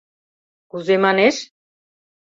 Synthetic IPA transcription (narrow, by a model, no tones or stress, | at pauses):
ɡ̥uzemaneʃ